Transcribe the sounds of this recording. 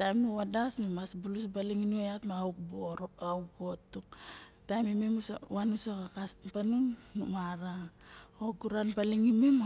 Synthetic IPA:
tajmnuwadasmemasbulus̬baliŋinueatmauk̚boɾauk̚bo̞tːuktajmimemuswanusakakaspanuŋnumaɾa | okuɾanpaliŋimem

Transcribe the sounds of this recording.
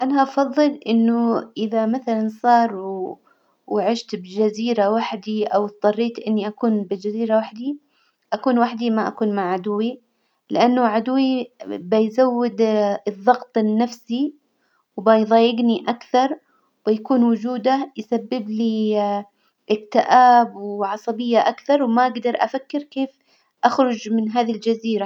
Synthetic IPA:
ʔanaʔɑfɑðˤːɨlʔɪnːʊʔɪðamaθalansˤɑːɾˤ | wʕɪʃt̪bd͡ʒaziːɾawaħd̪iʔawt̪t̪ˤːɑrˤːiːt̪ʔɪnːiʔakuːnbɪld͡ʒaziːɾawaħd̪i | ʔakuːnwaħd̪imaʔakuːnmaʕʕad̪ʊwːi | lɪʔanːʊʕad̪ʊwːibajzawːɪd̪ɨðˤːɑɣt̪ˤɪnːafsi | wbajðˤɑːjɪɡniʔakθɑɾˤ | bɪjkuːnwʊd͡ʒuːd̪ajsabːɪbli | ʔɪkt̪ɪʔaːbwʕɑsˤɑbɪjːaʔakθɑɾˤwmaʔaɡd̪ɑɾˤʔa̰fakːɪɾkeːf | ʔaxɾˤʊd͡ʒmɪnɦaːðild͡ʒaziːɾa

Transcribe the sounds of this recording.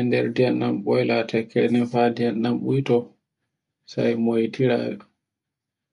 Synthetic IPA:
ɛndɛɾdianːamɓɔjlatʰɛkʰːɛnɛnfadianːamɓujtɔ | sa̰jmojtiɾa̰ːɛ

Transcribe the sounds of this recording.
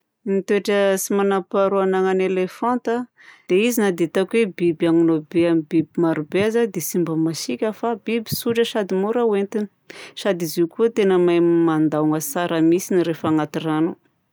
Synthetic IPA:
nit̪eʈ͡ʂəsimanapaɾuanaŋanelefant̪a | d̪̥eizinad̪et̪akwebibaŋunobeamibibimaɾubezad̪esimbəmasikʲəfabibi̥suʈ͡ʂəʃad̪imuɾawent̪ini̥ʃad̪izikuət̪enəmajmand̪auŋəsaɾəmisiniɾefaŋat̪iranu

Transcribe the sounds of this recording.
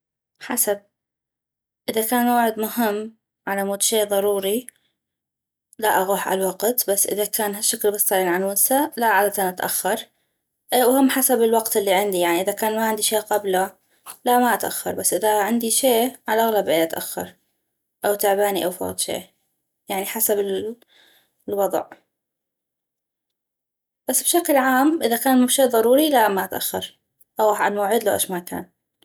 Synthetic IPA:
ħasab̚ | ʔɪðakaːnmaːʕɪd̪mʊhɪmː | ʕalamuːd̪ʃeːʔðˤɑɾˤuːɾi | laʔaɣuːħʕa̰lwɑɡt̪basːʔɪ̰ðakaːnɦaʃːaklbɪsˤɑliːnʕalwɪnsalaʕalat̪anʔat̪ʔa̰xːɑɾˤ | wʊhɪmːħasabɪlwɑqt̪ɪlːiʕɪnd̪ijaʕniʔɪðakaːnmaʕɪnd̪iʃeːʔqɑbla | lamaʔat̪ʔa̰xːɑ̰ɾˤbasːʔɪðaʕɪnd̪iʃeːʕalʔaɣlabʔeːʔat̪ʔaxːɑ̰ɾˤ | ʔawt̪aʕbaːniʔawfa̰ːt̪ˤʃḛːʔ | jaʕniħasabɪ | lwɑd̪ˤʕ | b̥asːbʃaklʕaːmʔɪðakaːnmʊʃeːðˤɑɾˤuːɾilaʔmaʔat̪ʔa̰xːɑɾˤ | ʔawʔaanmaːʕɪd̪lawʔa̰ʃmakʰa̰ːn

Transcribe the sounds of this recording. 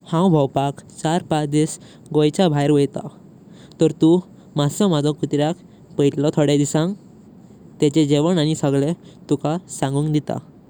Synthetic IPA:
hãwbʱɔwpakt͡ɕaɾpat͡sd̪is | ɡojt͡ɕabʱajɾʋəjt̪a̰ | t̪ɔɾt̪u | masɔmad͡zɔ̃kut̪ɾjak | pəjʈlɔt̪ʰɔɽed̪isãŋ | t̪ɛt͡ɕed͡ʑeʋəɳañisəɡɭet̪ukasãŋɡũːŋkd̪it̪a̰

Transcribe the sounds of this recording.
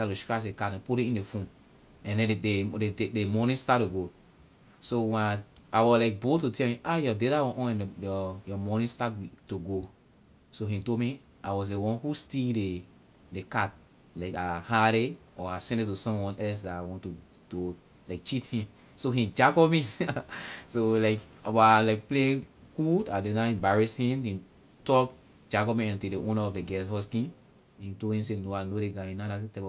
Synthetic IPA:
tatuʃtɹat͡ʃdekatɛ̃nputĩĩndefũn | ɛ̃ndɛ̃needemɔnĩstat̚tuɡo | sowɛ̃naawɔlaɪk̚botutʰɛlmĩʔajɔdeɾawɔ̃ʔɔ̃nɛ̃njɔjɔmɔnĩstattuɡo | soɦĩtolmi | awɔs̬dewɔ̃nhustilde | dekat̚ | laɪkahaɾeɔasɛ̃ndetusɔ̃mwɔ̃nɛls̬datawɔ̃ntu | ɡ̥o | laɪk̚t͡ʃithĩm | soɦĩd͡ʒaɡɔmi | solaɪkabaalaɪk̚plẽ | ɡudadenaɛ̃mbaɹishĩmhĩ | tɔk | d͡ʒaɡomĩãntideʔõnaɔfdeɡɛsɦɔs̬kĩn | hĩtolhĩms̬enoaɪnodeɡaĩnadatɛɔ

